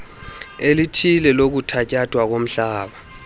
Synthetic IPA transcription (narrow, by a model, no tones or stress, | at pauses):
elitʰilɛlok̬utʰacʼad̥ʱwak̬om̩ɬaːɓa